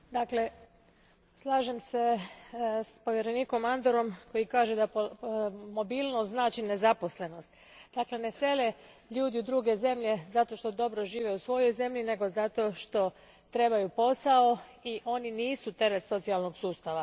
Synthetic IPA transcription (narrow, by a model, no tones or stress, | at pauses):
d̪akle̞ | slˠaːʒemse̞ | spo̞ʋjeɾe̞niːko̞mand̪oɾo̞mko̞jikaːʒed̪apomo̞bilˠnoznaːt͡ʃine̞zapo̞sle̞no̞st̪ | d̪akle̞ne̞se̞le̞ | ʎuːd̪iud̪ɾuːɡe̞ze̞mʎe̞zat̪o̞ʃt̪o̞d̪o̞bɾo̞ʒiːʋe̞usʋo̞jo̞jze̞mʎine̞ɡo̞zat̪o̞ʃt̪o̞ | t̪ɾe̞bajupo̞sao̞iʔo̞niniːsut̪e̞ɾe̞t̪so̞t̪sialˠno̞ɡsuːst̪aʋa